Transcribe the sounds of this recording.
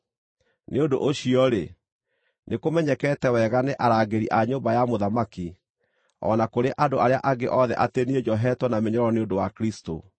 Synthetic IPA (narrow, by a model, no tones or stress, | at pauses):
neondoʔoɕiɔɾe | nekomɛɲɛkɛːtɛwɛɣaneʔaɾaːɡeɾiʔaɲoːmbajamoðamaki | ɔ̰nakoɾeʔadoaɾea̰ʔaɡeʔɔðɛ̰ʔateneed͡ʒɔɦɛtwɔnameɲɔɾɔneondowakɾisto̰